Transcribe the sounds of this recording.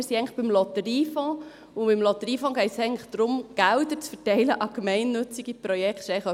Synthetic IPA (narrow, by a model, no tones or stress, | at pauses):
ɪɾsiɛɪŋləχb̥ɪmlɔt̪əɾiːfɔ̃ | ʊbɪmlɔt̪əɾiːfɔ̃ːɡ̥ɛɪtsɛɪɡŋtləχd̪̥ɾʊmɡ̥ældəɾt͡sfəɾtɛɪləʔɑɡ̥mɛɪnːɵt͡siɡiprɔjɛktʃɛɪ